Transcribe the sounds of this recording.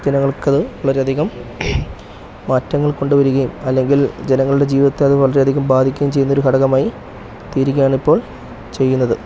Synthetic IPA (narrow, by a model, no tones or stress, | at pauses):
d͡ʑenɐŋːɐɭkɐðɨʋɐɭɐɾe̞ɐd̪ʱiɣɐm | mɐːtːɐŋːɐɭko̞ɳɖuʋɐɾuɣɐjumɐlːe̞ŋɡild͡ʑe̞nɐŋːɐɭuɽe̞d͡ʑiːʋiðɐt̪ːeɐðɨʋɐɭɐɾe̞ɐd̪ʱiɣɐmbaːd̪ʱikʲːɐjumt͡ɕejːunːo̞ɾukʰɐɽɐɣɐmaːji | t̪iːɾikʲːɐjaːɳipːo̞ːɭ | t͡ɕe̞jːunːɐðɨ